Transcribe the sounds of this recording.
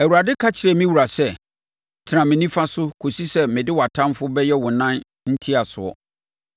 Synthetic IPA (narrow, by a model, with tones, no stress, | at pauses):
æ˨wu˨a˨dɪ˦kʰa˦t͡ɕʰɪ˨ɾɛ˨mĩ˦wu˨ɾa˨sɛ˦˨ | tʰɪ˨ɾã˨mɪ̃˨nĩ˦fa˦sʊ˦kʰo˨si˦sɛ˦mɪ̃˨dɪ˦wa˨tʰã˦mfʊ˦bɛ˦jɛ˦wʊ̃˨nã˦n | n̩˦tʰi˦a˨sʊ̰˨ɔ̰˨